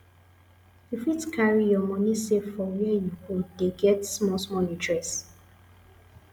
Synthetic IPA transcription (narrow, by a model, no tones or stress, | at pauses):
ifitkʰaɹijɔmɔ̃nisefɔwɛjuhodeɡɛtsmɔsmɔlĩtɹɛs